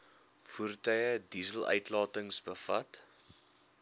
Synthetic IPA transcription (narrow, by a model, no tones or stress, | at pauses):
furtœjədizəlˠʔœ̰ɥtlɑːtəŋsbəfɐ̰t